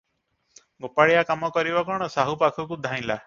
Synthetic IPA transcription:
ɡopaɽɭijakamɔkɔɾibɔkɔɽ̃ɔsaɦupakʰɔkud̪ʱaj̃la

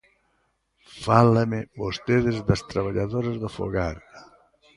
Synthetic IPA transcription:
falamɪbost̪eðɪzðɐst̪ɾaβaʎaðoɾazðofo̰ɣaɾ

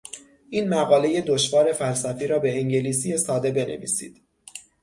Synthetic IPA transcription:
ʔiːnmæɣɒːle̞je̞d̪oʃvɒːɾe̞fælsæfiːɾɒːbe̞eŋɟe̞liːs̬ije̞sɒːd̪e̞be̞nʔḛvḭːsḭːd̪̥

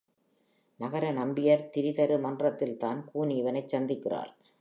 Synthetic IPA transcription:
nɐɣɐɾɐnɐmbɪjɐɾt̪ɪɾɪðɐɾɯmɐndrɐt̪ːɪlt̪aːnkuːniːʋɐnɐɪt͡ʃsɐnd̪ɪkːɪra̰ːl

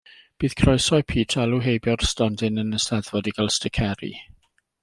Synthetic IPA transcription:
b̥iːð̥kʰrɔjsɔɨpʰiːtʰalˠuɦejbjɔrstɔndɪnənəstɛðvɔdiɡalˠstəkʰɛɾḭ

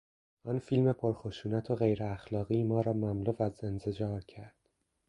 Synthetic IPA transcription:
ʔɒnfilme̞pʰoɾxo̞ʃuːnæt̪ʰoɣe̞jɾeæxlɒːɣiːmɒːɾɒːmæmluːvæze̞nted͡ʒɒːɾcʰæɾd̪̥

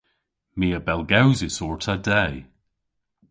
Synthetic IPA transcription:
miːəbɛlˠɡawzɪsɔɹtʰadɛj

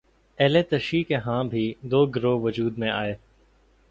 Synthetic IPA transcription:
ɛːlet̪əʃikeɦãːbʱid̪oːɡɾoːʋʊd͡ʒuːd̪mẽʔaːeː

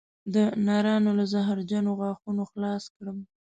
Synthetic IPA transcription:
d̪ənɑɾɑnolazaɦɾd͡ʒanoɣɑxunoxlɑskɽəm

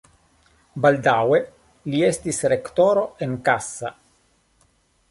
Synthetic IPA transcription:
bald̪awe | liest̪isɾekt̪oːɾoeŋkasːa

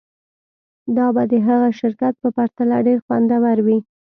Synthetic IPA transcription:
d̪ɑbad̪əɦaɣaʃɪɾkat̪̚pəpaɾt̪alaɖeɾxwa̰nd̪awaɾwi

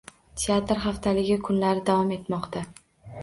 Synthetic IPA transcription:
t̪ʲʰeat̪ɾχaft̪ʰalɪɡʲɪkʰʊnlaɾɪd̪avɒme̞t̪mɒqt̪ʰa

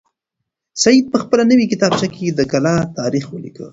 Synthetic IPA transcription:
sajid̪̚pəxpəlanəwikɪt̪ɑb̚t͡ʃaked̪əkalɑt̪ɑɾixwəlḭkə̰

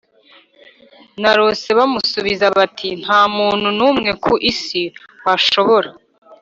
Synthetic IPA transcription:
naɾo̞ːse̞βamusuβizaβatʰin̥haːmuːn̥hunuːmŋe̞kʰuʔisiwaʃo̞βo̞ɾa

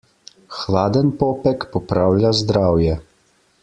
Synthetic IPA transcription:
xlaːd̪ənpɔpɛkpɔpɾawlʲazd̪ɾawjɛ

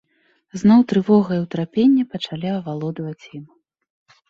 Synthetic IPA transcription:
znɔwt̪ɾɨvɔɣɐjɛwt̪ɾapʲenʲːɛpɐt͡ʂalʲiɐvalˠɔd̪ɐvɐt͡sʲjim

